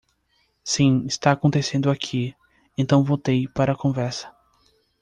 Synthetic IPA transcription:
sĩɪst̪aːkõnt̪esẽnd̪ʊakʰi | ẽnt̪ɐ̃w̃vowt̪ejpaɾɐːkõvɛɾsɐ̥

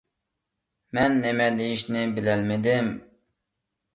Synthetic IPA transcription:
mɛnːemɛd̪ejiʃnɪbɪlɛlmɪd̪ɪm

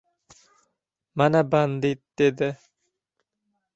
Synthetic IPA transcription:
manaband̪it̪̚d̪ed̪ɪ

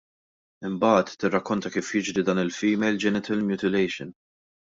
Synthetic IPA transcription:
ɪmbɐːt̪ːɪrːɐkːɔnt̪ɐkiːfjɪd͡ʒɾid̪ɐːnɪlfiːmɛjld͡ʒɛnɪt̪ʰɐlmjuːt̪ɪlɛjʃɪn

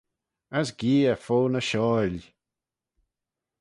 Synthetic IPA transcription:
əsɡiːəfoːnəʃɔːlʲ

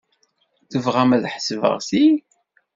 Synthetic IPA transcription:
θəvʁæmæðħəsəvə̰ʁsi

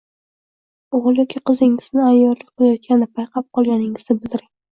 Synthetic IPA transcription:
oʁɨlˠjɒkʲʰiqʰɨzɪŋɪz̥nɪajːɒɾlɪk̚ʲqʰɨlˠajɒt̪̚kʲʰanɪpʰajqʰɑp̚qʰɒlˠɡʲanɪŋɪznɪbɪld̪ɪɾɪŋ

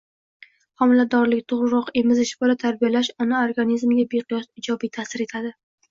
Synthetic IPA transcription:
hɒmɪlad̪ɒɾlɪkʲt̪ʰoʁɾɪɾɒqe̞mɪzɪʃbɒlat̪ʰaɾbijalaʃɒnaoɾɡanizmɪɡʲabeqʰɨjɒsɪd͡ʒɒbijt̪ʰasɪɾe̞t̪ʰad̪ɪ

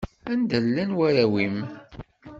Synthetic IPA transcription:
ænd̪əlːænwæɾæwim

